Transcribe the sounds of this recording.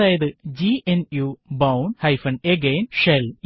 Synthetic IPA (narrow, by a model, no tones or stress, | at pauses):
aːjɐðɨd͡ʑienjubɐwɳɖhɐjfɐɳɖeɡeːnʂel